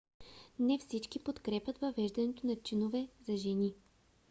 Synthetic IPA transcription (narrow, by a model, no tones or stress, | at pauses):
nɛfsit͡ʃkipot̪kɾɛpɐt̪vɐvɛʒd̪ɐnɛt̪onɐt͡ʃinovɛzɐʒɛni